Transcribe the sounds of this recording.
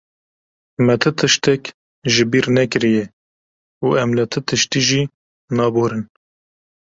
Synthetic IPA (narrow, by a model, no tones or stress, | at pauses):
mɛt̪ʰɨt̪ʰɨʃt̪ɛk | ʒɨbiːɾnɛkɨɾijɛ | uːɛmlɨt̪ʰɨt̪ʰɨʃt̪iːʒiː | nɑːboːɾɨn